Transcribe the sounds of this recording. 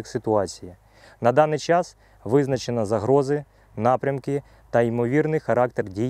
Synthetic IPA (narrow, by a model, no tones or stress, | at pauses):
ksɪt̪ʊɑt͡sʲiji | nɐd̪ɑnɪjt͡ʃɑs | ʋɪznɐt͡ʃenɐzɐɦɾɔzɪ | nɑpɾʲɐmkɪ | t̪ɐimɔʋʲirnɪjxɐɾɑk̚t̪ɛrdʲij